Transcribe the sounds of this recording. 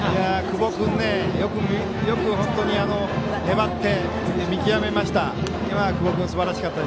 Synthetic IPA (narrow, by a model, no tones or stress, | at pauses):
ijakɯ̟bo̞kɯ̟̃nːe̞jo̞kɯ̟mi | jo̞kɯ̟ɦõ̞nt̪o̞ɲ̟iano̞ | he̞bat̪ːe̞ | mʲikʲiame̞maɕi̥t̪a | imakɯbo̞kɯ̟̃sɨbaɾaɕi̥kat̪ːad̪e